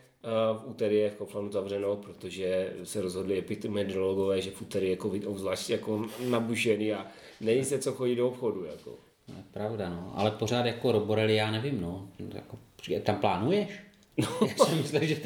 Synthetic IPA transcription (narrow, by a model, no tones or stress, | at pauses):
fʔut̪ɛɾɪjɛfkoflanuzavr̝ɛnowpɾot̪oʒɛsɛɾozɦodlɪɛpɪt̪mɛd̪ɾoloɡovɛːʒɛfʔut̪ɛɾɪɛjakovɪtobzlaːʃtjakonabuʒɛniːa | nɛjisɛt͡soxoɟidoopxo̞dujako̰ | to̰jɛpɾavdanoʔa̰lɛpor̝aːt̪jakoɾoboɾɛlɪjaːnɛvɪmnoja̰kopt̪amplaːnujɛʃ | nojasɪmɪsliʒɛ